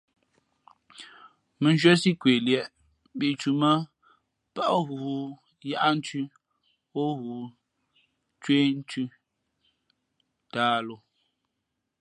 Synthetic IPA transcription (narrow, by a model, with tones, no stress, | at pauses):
mə˨n˦ʒwɛ˦si˦kwe˨ljɛ˨ʔ | bi˨t͡ʃu˨mə˦ | pa˦ʔɣuː˨ | ja˦ʔa˦n̩˦tʉ˦ | o˦ɣuː˨˦ | t͡ʃwe˦n˦tʉ˦ | taː˦lo˦